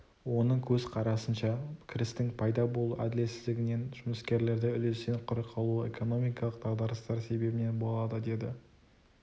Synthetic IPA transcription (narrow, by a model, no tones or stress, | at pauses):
wo̞nəɴkʲʰɵzqʰɑɾɑsənʃɑkʲʰɪɾɪst̪ɪŋpʰɑjd̪ɑbo̞lˠṵʔæ̰d̪ɪle̞sɪzd̪ɪɡʲɪne̞nʒ̥ʊməskʲe̞ɾle̞ɾd̪ɪʏlest̪enqʰʊɾəqʰɑlˠuḛkʰo̞no̞mijkɑlˠəqt̪ʰɑʁd̪ɑɾəst̪ɑɾse̞be̞bɪne̞nbo̞lˠɑd̪əd̪e̞d̪ɪ